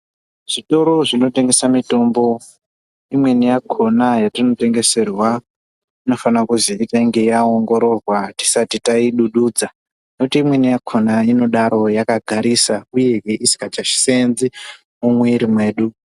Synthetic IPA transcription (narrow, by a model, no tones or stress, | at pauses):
ʐ̥ito̞ɾo̞ʐino̞te̞ŋɡe̞samito̞mbo̞ | imwe̞nijakʰo̞najatino̞te̞ŋɡe̞se̞rwa | ino̞fanakuziːtaiŋɡe̞jaoŋɡo̞ɾo̞rwati̥satitaiɗuɗuːd͡za | nekutiːmwe̞nijakʰonaino̞ɗaɾo̞jakaɡʱaɾisauje̞ɦeisi̥kat͡ʃaʃi̥senzi | mumweiɾimwe̞ːɗu